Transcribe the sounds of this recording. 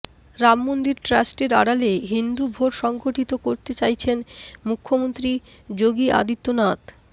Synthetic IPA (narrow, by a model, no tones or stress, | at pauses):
ɾamːond̪iɾʈɾasʈeɾa̰ɽaleɦind̪ubʱoɾʃɔŋɡoʈit̪okoɾt̪et͡ɕajt͡ɕʰenmukʰːomont̪ɾi | d͡ʑoɡiʔa̰d̪it̪ːonat̪